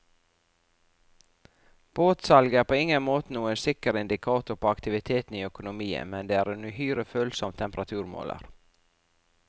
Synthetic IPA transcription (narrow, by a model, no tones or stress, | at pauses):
b̥oːt̪sɑlɡəæːpʰoːɪŋənmoːt̪ənuːənsɪkəɾɪnd̪ɪkʰɑːt̪ʊɾpʰoːɑkt̪ɪʋɪt̪ʰeːt̪n̩iːœkʊnʊmiːə̰mɛnd̪eːæːɾɛnʉhyːɾəføːlsɔmt̪ʰɛmpəɾɑt̪ʰʉːɾmo̰ːlə̰ɾ